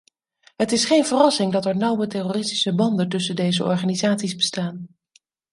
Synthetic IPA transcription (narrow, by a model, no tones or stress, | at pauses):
ɦətɪsχejnvərɑsɪŋdɑtɛɹnʌwətɛroːrɪsti̥səbɑndəntɵsəndejzəʔɔ̰ɹχaːnizaːtsizbəstaːn